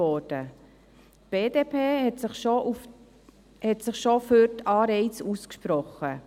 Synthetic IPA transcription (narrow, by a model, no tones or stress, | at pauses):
ɔːɾd̥ə | tb̥eːdeːpʰeːɛtɪχʃoʔuf | hɛtsɪχʃoføɾtʰɑːɾɛɪt͡suːskʃpɾɔχə